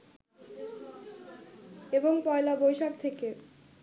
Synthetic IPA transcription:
eboŋpɔelabojʃak̚t̪ʰeke

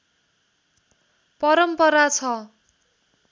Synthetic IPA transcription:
pʌɾʌmpʌɾat͡sʰʌ

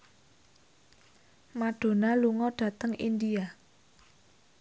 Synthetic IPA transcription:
maɖ̥o̤naluŋɔɖ̥ä̤t̪əŋind̪ia

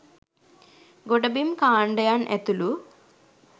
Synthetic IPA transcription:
ɡoɖɐbimkaːɳɖɐjaːnʔet̪ulu

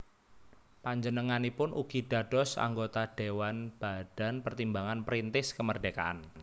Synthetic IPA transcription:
paɲd͡ʒənəŋanipʊnʔuɡ̥iɖ̥a̤ɖ̥ɔ̤sa̰ŋɡot̪aɖ̥ewanb̥a̤ɖ̥a̤npərt̪imbaŋanpɾint̪ɪskəmərdɖeka̰ʔa̰n

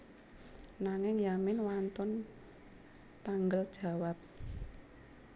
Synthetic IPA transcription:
naŋɪŋjamɪnwant̪ɔn | t̪aŋɡəld̥ʒ̥a̤wap̚

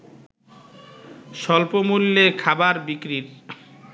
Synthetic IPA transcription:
ʃɔlpomulːekʰabaɾbikɾiɾ

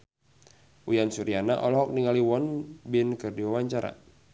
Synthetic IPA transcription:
ujansuɾianaʔɔlɔɦɔk̚niŋaliwɔnbɪnkɨrdiwawaɲt͡ʃaɾa̰

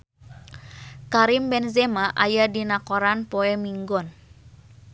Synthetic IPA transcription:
kaɾimbɛnzemaʔajadinakoɾanpoemiŋɡɔn

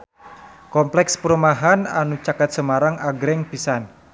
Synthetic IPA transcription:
kɔmplɛkspəɾumaɦananut͡ʃakat̪̚səmaɾaŋaɡɾɛŋpisan

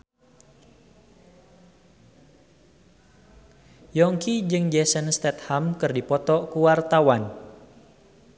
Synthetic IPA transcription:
jɔŋkid͡ʒɨŋd͡ʒɛsənst̪ɛt̪̚hamkɨrdipɔt̪ɔkuwart̪awan

